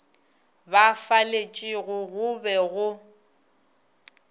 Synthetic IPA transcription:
bafalet͡ʃʼɪɣʊɣʊbɛɣʊ

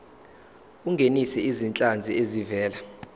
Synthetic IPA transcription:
uŋɡʱenisɛizint͡ɬʼand͡zʱiezivɛːla

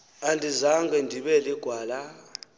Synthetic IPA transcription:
andʱizaŋɡɛndʱiɓɛliɡ̥ʱwaːla

